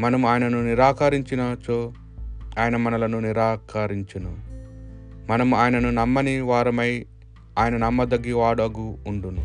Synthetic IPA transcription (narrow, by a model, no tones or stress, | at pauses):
mɐnɐmuaːjɐnɐnuniɾaːkɐɾiɲt͡ʃinɐt͡ʃoː | aːjɐnɐmɐnɐlɐnuniɾaːkɐɾiɲt͡ʃɐnu | mɐnɐmuaːjɐnɐnunɐmːɐniʋaːɾɐmɐj | aːjɐnɐnɐmːɐd̪ɐɡːiʋaːɽɐɡuːɳɖunu